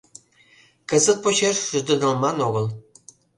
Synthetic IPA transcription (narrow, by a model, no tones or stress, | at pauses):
kɤ̆zə̆t̪̚pot͡ɕeʃʒ̥ud̪ɤ̆nɑlˠmɑnoɣɤ̆lˠ